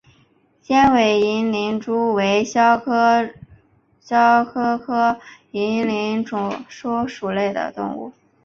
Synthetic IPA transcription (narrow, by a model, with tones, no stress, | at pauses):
ɕjɛ˥nwe˨˩ɪi˧˥nli˧˥nʈ͡ʂu˥we˧˥ɪɕɑ˥ | ɕjɑ˥ʊkʰɤ˥kʰɤ˥ | i˧˥nli˧˥nʈ͡ʂʊ˨˩ʂɔ˥ʊʂu˨˩le˥˩ɪd̪ə̰˩t̪ʊ̰˥˧ŋṵ˥˩